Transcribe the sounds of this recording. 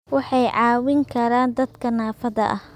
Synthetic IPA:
wɑħɑjʕɑːwɪŋkʰɐɾaːnd̪ɐd̪kʰɐnaːfɐðɐ̰ʔɐh

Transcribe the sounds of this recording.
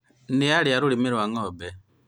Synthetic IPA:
nialiaɾulimiɾwaŋɔːbɛ

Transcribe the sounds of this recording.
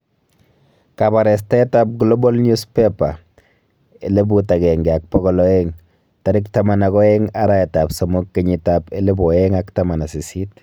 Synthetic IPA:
kabaɾɛs̬taɛtap̚ɡlobɔlɲuspɛpa | elebutakɛŋɡɛak̚pɔɣɔlɔeŋ | taɾɪktamanakɔɛŋaɾaɛtapsɔmokːeɲitapelebɔeŋaktamanasisit̚

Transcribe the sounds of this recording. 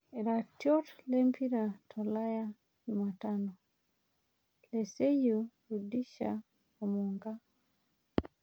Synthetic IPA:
eɾatjotlempʰiɾatʰolaja | ɲumatano | lesejuɾudiʃa | omuːŋɡa

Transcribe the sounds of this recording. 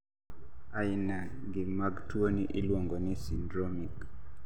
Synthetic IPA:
ainaɡɪmaɡtwoniʔɪlwoŋɡonisindɾomik

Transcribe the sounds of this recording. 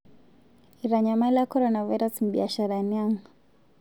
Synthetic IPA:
iɾaɲamalakɔɾɔnavajɾasm̩ɓiaʃaɾaniaŋ

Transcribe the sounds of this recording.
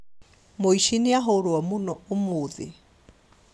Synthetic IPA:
moiʃineaɦoɾoamonɔomoːðḛ

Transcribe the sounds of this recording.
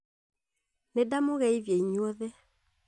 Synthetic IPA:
nedamoɣɛivjeiɲwɔðɛ

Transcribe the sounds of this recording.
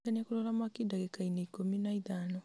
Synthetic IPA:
aniakulɔlamakidaɣekaineikominaiðanɔ

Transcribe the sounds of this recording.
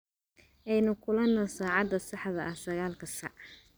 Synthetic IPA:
ʔɛjnʊkʰʊlɐnːɔsaːʕɑd̪ɐsɑħðɐʔɐhsɐɣaːlkʰɐsɑ̰ʕ

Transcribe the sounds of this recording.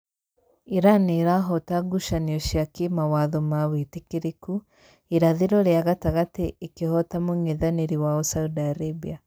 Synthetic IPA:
iɾaneɾaɦɔtaɡuʃaniɔʃjakemawaðɔmawetekeɾeku | eɾaðeɾɔɾeaɣataɣateʔːkehɔtamoŋeðaneɾiwaɔsaudaɾebia

